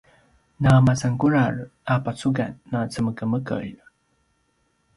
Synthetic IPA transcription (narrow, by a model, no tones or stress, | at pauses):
namat͡sankuɾarapat͡suɡanːat͡səməkəməkə̰j